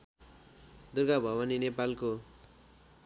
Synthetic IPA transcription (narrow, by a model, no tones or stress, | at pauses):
d̪urɡabʱʌbaninepalko